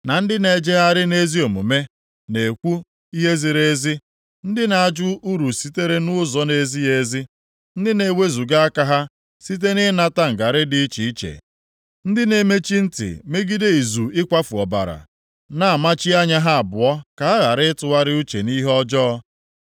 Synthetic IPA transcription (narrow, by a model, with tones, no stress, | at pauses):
na˨n̩˦dɪ˦ne˨d͡ʒe˦a˦ɾɪ˦ne˦zi˦o˨mṵ˨me˦ | ne˨kʷu˦ | i˦ɦe˦zi˨ɾe˦zi˦ | n̩˦dɪ˦na˨a˦˨d͡ʒʊ˦u˦ɾu˨si˦te˦ɾe˦nʊ˦zɔ˦ne˨˦zi˦e˨zi˦ | n̩˦dɪ˦ne˨we˦zu˨ɡa˦a˦ka˦ɦa˦ | si˦t̬e˦nɪ˦na˦ta˦ŋ̩˨ɡa˨ɾɪ˦dɪ˨˦i˦t͡ʃi˨i˦t͡ʃḛ˨ | n̩˦dɪ˦ne˨me˦t͡ʃi˦n̩˦tɪ̰˨me˦ɡi˦de˦i˨zu˨ɪ˦kʷa˦fu˨ɔ˨ba̰˨ɾa̰˨ | na˦a˨ma˦t͡ʃi˦a˦ɲa˦ɦa˦a˨bʊ˨ɔ˦ka˨a˦ɣa˨ɾɪ˦tʊ˨a˦ɾɪ˦u˦t͡ʃḛ˨ni˦ɦɔ˦d͡ʒɔ˦ɔ˦